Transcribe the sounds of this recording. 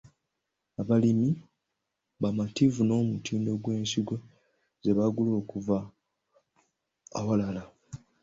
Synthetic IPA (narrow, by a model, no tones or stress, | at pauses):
aβalimi | βamativuno̞ːmutiːndo̞ɡwe̞ːnsiɡwo | ze̞βaɡulo̞ːkuva | a̰walala